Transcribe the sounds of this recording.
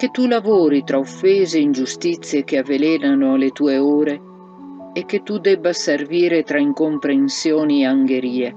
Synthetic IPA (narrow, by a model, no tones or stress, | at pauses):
ket̪ulavoːɾit̪ɾaofeːzeind͡ʒust̪it̪sːjek̟eaveleːnanoalet̪uːeoːɾeː | kːet̪ud̪ɛbːaserviːɾet̪ɾaiŋkompɾensjɔːniaŋɡeɾiːe